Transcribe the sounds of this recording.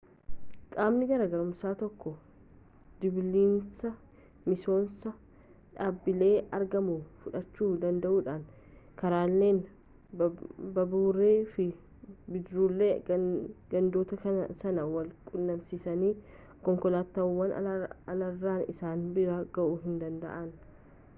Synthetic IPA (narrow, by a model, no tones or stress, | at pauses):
kʼaːmnɪɡɐɾɐɡɐɾʊmsaːt̪ɔkːɔ | d̪ɪbliːnsɐ | mɪso̞ːnsɐ | ᶑaːbːɪle̞ːɐɾɡɐmufʊᶑɐt͡ʃːuːd̪ɐnd̪ɐʔuːᶑaːn | kɐɾaːlːe̞ːn | bɐbuːɾeːfɪ | bɪd̪ɾuːlːe | ɡɐnd̪oːt̪ɐkɐsɐnɐwɐlkʼʊnːɐmsɪsɐniː | kɔŋkɔlaːt̪ːɐwːɐn̰ɐlɐrːaːnɪ̰saːnbɪɾɐɡɐʔuɦɪnd̪ɐnd̪ɐ̰ʔɐn